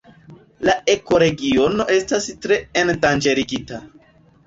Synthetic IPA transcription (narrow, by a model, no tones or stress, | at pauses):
lae̞ko̞ɾe̞ɡio̞no̞ʔe̞stastɾe̞endand͡ʒe̞ɾiɡita